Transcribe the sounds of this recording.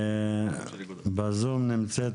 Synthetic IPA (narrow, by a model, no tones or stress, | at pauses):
bazumnimt͡sɛt̪